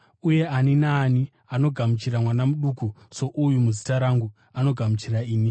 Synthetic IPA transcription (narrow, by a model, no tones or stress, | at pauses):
uje̞aninaːni | ano̞ɡʱamut͡ʃiramwanamuɗuːkuso̞ʔujumuzi̥taɾaŋɡu | ano̞ɡʱamut͡ʃiraiːni